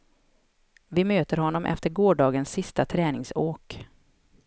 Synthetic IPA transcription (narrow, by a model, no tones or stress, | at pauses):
vɪmøːt̪əɾhɔnːɔmʔɛ̰ft̪əɾɡoːɖɑːɡənsːɪst̪at̪ʰɾɛːnɪŋsoːk